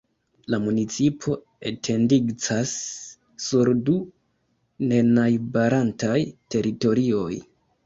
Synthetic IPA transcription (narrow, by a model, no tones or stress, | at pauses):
lamunit͡sipʰo̞ | e̞tʰe̞ndiɡt͡sasː | uɾdu | ne̞najbaɾantajte̞ɾito̞ɾio̞j